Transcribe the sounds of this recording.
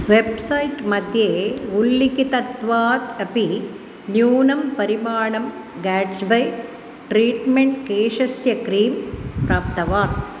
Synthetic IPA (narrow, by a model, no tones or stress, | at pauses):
ʋebsɐjʈmɐd̪jeːulːikit̪ɐt̪ʋaːt̪ɐpi | njuːnɐmpɐɾimaːɳɐmɡaːʈsbɐj | ʈɾiːʈmeɳʈ̚keːʂɐsjɐkɾiːmpɾaːp̚t̪ɐʋaːɾ